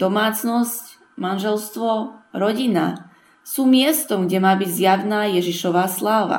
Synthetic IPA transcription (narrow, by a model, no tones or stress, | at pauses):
d̪̥ɔmaːt͡snɔsc | manʒɛlst̪ʋɔɾɔɟina̰ | suːmɪɛst̪ɔmɡɟɛmaːbiɟzjaʊnaːjɛʒiʃɔʋaːslaːʋa̰